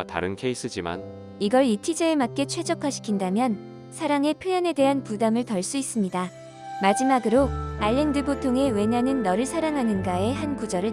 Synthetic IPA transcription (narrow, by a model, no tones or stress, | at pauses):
ta̰ɾɯnkʰe̞is͈ʰɯd͡ʑima̰n | iɡʌɭitʰid͡ʑeemat̚k͈e̞t͡ɕʰwe̞d͡ʑʌkʰaɕʰi̥kʰindamjʌn | sʰaɾaŋe̞pʰjojane̞de̞ɦanpudamɯɭtʌɭs͈uis͈ɯmɲida | mad͡ʑimaɡɯɾoaʎːendɯbotʰoŋe̞we̞ɲanɯnːʌɾɯɭsʰaɾaŋɦanɯnɡae̞ɦankud͡ʑʌɾɯ